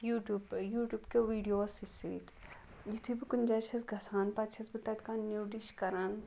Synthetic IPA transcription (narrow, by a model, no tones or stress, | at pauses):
juːʈjuːbjuːʈʲjuːbkeʋiːɖijoːɐsisḭːt̪ | jit̪ʰubikund͡ʒat͡ʃʰɐsɡʱɐsaːnpɐt̪t͡ʃʰɐsbit̪ɐt̪kaːnːuwɖiʃkɐɾɐn